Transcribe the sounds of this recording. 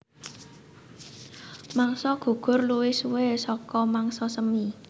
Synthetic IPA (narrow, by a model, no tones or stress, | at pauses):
maŋsɔɡ̥ṳɡ̥ʊ̤rluwisuwesɔkɔmaŋsɔsəmi